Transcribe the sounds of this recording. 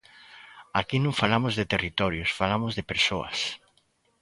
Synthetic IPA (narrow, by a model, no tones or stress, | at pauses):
akinõŋfalamʊzðet̪erit̪ɔɾjʊsfalamʊzðepeɾsoɐ̰s